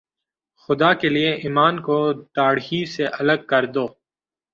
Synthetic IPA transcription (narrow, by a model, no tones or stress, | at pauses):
xʊd̪aːkelieʔiːmaːnkoɖ̪aːɽɦiseʔɐləɡ̚kɐɾd̪oː